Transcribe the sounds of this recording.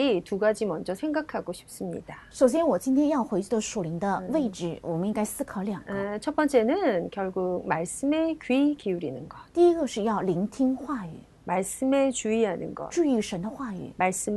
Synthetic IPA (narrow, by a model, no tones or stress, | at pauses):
ituɡad͡ʑimʌnd͡ʑʌsʰeŋɡakʰaɡoɕʰi̥p̚s͈ɯmɲḭd̥aʂoʊɕ̬jɛnwɔt͡ɕint̪ʰjɛnjɑʊxweɪt͡ɕyd̪əʂuliŋd̪əweɪʈ͡ʂɻ̩wɔməniŋkaɪsɹ̩kʰɤljaŋɡəet͡ɕʰʌt̚p͈ʌnt͡ɕʰe̞nɯnkjʌɭɡuk̚maɭs͈ɯmekɥikiuɾinɯnɡʌtt̪iiɡəʂɻ̩jɑʊliŋt̪ʰiŋxway̰ | maɭs͈ɯmet͡ɕuiɦanɯ̰nɡʌ̰t͡ɕyyʂənd̪əxway̰maɭs͈ɯm